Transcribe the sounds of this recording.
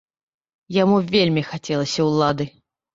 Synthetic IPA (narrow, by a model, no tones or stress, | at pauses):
jamuvʲelʲmʲixat͡sʲɛlˠɐsʲɐwlˠad̪ɨ